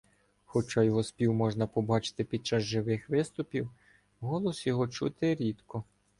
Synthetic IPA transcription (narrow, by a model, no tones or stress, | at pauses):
xɔt͡ʃɑjɔɦɔspʲiwmɔʒnɐpɔbɑt͡ʃɪ̥t̪ɪpʲid̪̚t͡ʃɑzʒɪʋɪxʋɪst̪ʊpʲiw | ɦɔlˠɔsjɔɦɔt͡ʃṵt̪ɪɾʲid̪kɔ